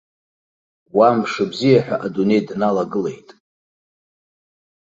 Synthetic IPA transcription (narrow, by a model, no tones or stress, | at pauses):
wamʂɨbzijaħʷᶣa̰ʔadune̞jdnalaɡɨle̞̰jtʼ